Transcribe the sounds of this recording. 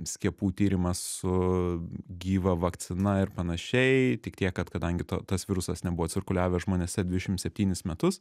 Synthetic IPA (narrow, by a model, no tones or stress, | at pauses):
sʲkʲiɛpuːt̪ʲiːɾʲɪmɐssʊ | ɡʲiːʋɐʋɐkt̪sʲɪnɐɪɾpɐnɐʃʲɛɪt̪ʲɪk̚t̪ʲiɛkːɐt̪kɐd̪ɐŋʲɡʲɪt̪ot̪ɐsʋʲɪɾʊsɐsnʲɛbʊʋoːt͡s̪ʲɪrkʊlʲæːʋʲɛʒmoːnʲeːsʲɛd̪ʋʲɪʃʲɪmt̪sʲɛpʲt̪ʲiːnʲɪsmʲɛt̪ʊs